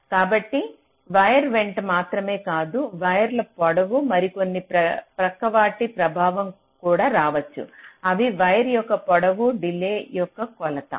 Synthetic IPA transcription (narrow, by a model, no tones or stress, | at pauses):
kaːbɐʈːi | ʋɐjɐɾʋe̞ɳʈmaːt̪ɾɐme̞ːkaːd̪uʋɐjɐɾlɐpɔɽɐʋumɐɾiko̞nːipɾɐpɾɐkːɐʋaːʈipɾɐbʱaːʋɐm | kuːɽaːɾaːʋɐt͡ʃːṵɐʋiʋɐjɐɾjɔkːɐpɔɽɐʋuɖileːjɔkːɐkɔlɐt̪ɐ̰